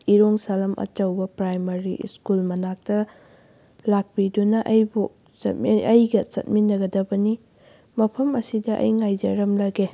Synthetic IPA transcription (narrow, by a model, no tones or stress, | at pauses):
iɾoŋsalɐmʔɐ̰t͡ʃɐwbɐpɾajmɐɾḭskulmɐnak̚tɐ | lak̚pidunɐʔɐjbu | t͡ʃɐ̰tmɐjɡɐt͡ʃɐ̰t̚minːɐɡɐdɐbɐni | mɐpʰɐmɐsidɐʔɐ̰jŋajd͡ʒɐɾɐmlɐɡe